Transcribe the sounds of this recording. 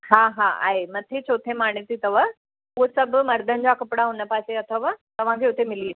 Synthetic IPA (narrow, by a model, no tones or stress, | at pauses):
ɦaɦaa̰ːɦemɐt̪ʰet͡ɕʰoːt̪ʰemaːɳ̃t̪it̪ɐʋa | uɦsɐbʱmɐɾd̪ʱənd͡ʑakɐpɽaɦʊnəpaːseɐt̪ʰəʋat̪ɐʋ̤ãkʰeːʊt̪ʰemɪli